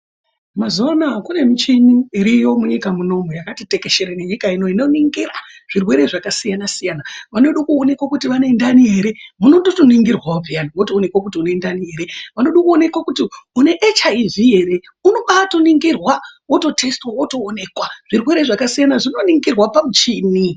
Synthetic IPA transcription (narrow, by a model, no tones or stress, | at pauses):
mazuanakune̞mit͡ʃiɲuiɾijo̞muɲikamuno̞mujakatite̞ke̞ʃe̞ɾeneɲikaino̞ino̞niŋɡiraʐ̥irwe̞ɾe̞ʐakasijanasijanaʋanoɗukuone̞kwakutiʋane̞ndanie̞ɾe̞muno̞ɗotoniŋɡirwaobʱijaniwotoːne̞kwak̬utiune̞ndanie̞ɾe̞ʋanoɗukuo̞ne̞kwakutiune̞ʔet͡ʃaivieɾe | uno̞ɓatoniŋɡirwawo̞to̞tʰe̞stwawo̞to̞ːne̞kwaʐ̥irwe̞ɾe̞ʐakasijanaʐino̞niŋɡirwapamut͡ʃiːni